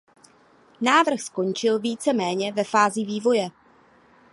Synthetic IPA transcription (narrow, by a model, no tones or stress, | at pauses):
naːvr̩xsko̞nt͡ʃɪlviːt͡sɛmɛːɲɛvɛfaːziviːvo̞jɛ